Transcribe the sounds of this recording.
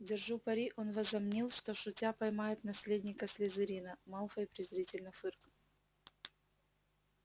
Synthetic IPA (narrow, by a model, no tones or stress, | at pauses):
dʲɪrʐupɐɾʲiʔonvɐzɐmnʲilˠʂt̪oʂʊtʲapɐjmajɪt̪nɐsʲlʲedʲnʲɪkəsʲlʲɪzɨɾʲinəmalˠfəɪpɾʲɪzɾʲitʲɪlʲnəfɨrk